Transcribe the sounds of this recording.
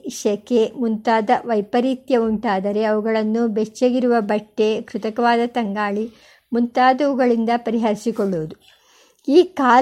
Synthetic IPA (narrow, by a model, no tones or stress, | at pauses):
ʃɐke̞munt̪aːd̪ɐʋɐjpɐɾiːt̪jɐuɳʈaːd̪ɐɾe̞ɐʋuɡɐɭɐnːubet͡ʃːeɡiɾuʋɐbɐʈːe̞kɾut̪ɐkɐʋaːd̪ɐt̪ɐŋɡaːɭi | munt̪aːd̪ɐʋuɡɐɭind̪ɐpɐɾiɦɐɾisikɔɭːuʋud̪u | iːkaː